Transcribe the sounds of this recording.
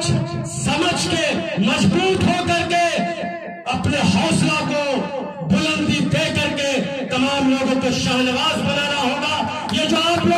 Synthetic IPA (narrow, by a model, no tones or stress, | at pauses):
t͡ʃsɐməd͡ʒkemɐd͡ʒbuːt̪ɦokɐɾke | ɐpneɦɔːslako | bʊlə̃nd̪id̪eːkɐɾke | t̪ɐmaːmloːɡõkoʃaːnɪʋaːzbɐnaːnaɦoːɡaː | jeːd͡ʒoːaːplo